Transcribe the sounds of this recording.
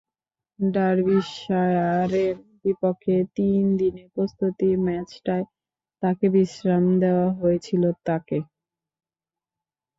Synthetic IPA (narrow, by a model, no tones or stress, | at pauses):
ɖaɾbiʃaeaɾeɾbipokʰːet̪ind̪inepɾost̪ut̪imɛt͡ɕʈae | t̪akebiʃɾamd̪eoaɦojet͡ɕʰilot̪ake